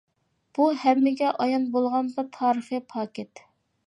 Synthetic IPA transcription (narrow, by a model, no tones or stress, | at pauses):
b̥uhɛmːɪɡʲɛʔɑjɑnbolˠʁɑnd̪ɑt̪ʰɑːɾəχɨpʰɑːkʲet̪